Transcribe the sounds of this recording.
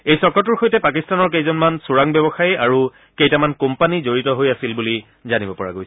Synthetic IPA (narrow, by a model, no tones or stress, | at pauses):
ejsɔɹkɔtuɹxojtɛpakistanɔɹkejzɔnmansuɹaŋbɔbɔxajaɹu | kejtamankompanizoɹitɔɦojasilbuli | zanibɔpɔɹa̰ɡojs